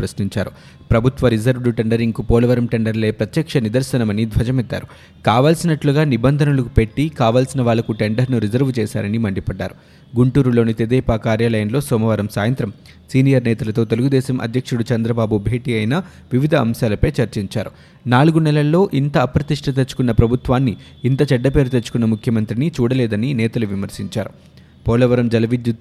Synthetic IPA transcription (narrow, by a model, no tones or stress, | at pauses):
pɾɐsniɲt͡ʃaːɾu | pɾɐbʱut̪ʋɐɾid͡ʒɐɾʋɽuʈeɳɖɐɾiŋɡupɔːlɐʋɐɾɐmʈeɳɖɐɾle̞ːpɾɐt̪jɐkʂɐnid̪ɐɾsɐnɐmɐnid̪ʱʋɐd͡ʒɐmɛd̪ːa̰ːɾu | kaːʋaːlsinɐʈluɡaːnibɐnd̪ʱɐnulukupe̞ʈːikaːʋaːlsinɐʋaːɭːɐkuʈe̞ɳɖɐɾnuɾizɐɾʋt͡ʃɛːsa̰ːɾɐnimɐɳɖipɐɖːa̰ːɾu | ɡuɳʈuːɾulo̞ːnit̪ed̪ɛːpaːkaːɾjaːlɐjɐnlo̞ːsɔːmɐʋɐɾɐmsaːjɐnt̪ɾɐm | siːnijɐɾnɛːt̪ɐlɐt̪o̞ːt̪e̞luɡud̪ɛːsɐmʔɐ̰d̪ʱjɐkʂuɽut͡ʃɐnd̪ɾɐbaːbubʱe̞ːʈiɐjnɐ | ʋiʋid̪ʱɐːmʃaːlɐpeːt͡ʃɐɾt͡ʃiɲt͡ʃa̰ːɾu | naːluɡunɛlɐlɐːo̞ːʔint̪ɐːpɾɐt̪iʂʈʰɐt̪̬et͡ʃːu̥kunːɐpɾɐbʱut̪ʋaːnːiː | nt̪ɐt͡ʃɛɖːɐpe̞ːɾut̪et͡ʃːu̥kunːɐmukʰjɐmɐnt̪ɾinit͡ʃuːɽɐlɛːd̪ɐninɛːt̪ɐluʋimɐɾsiɲt͡ʃa̰ːɾu | pɔːlɐʋɐɾɐmd͡ʒɐlɐʋid̪ju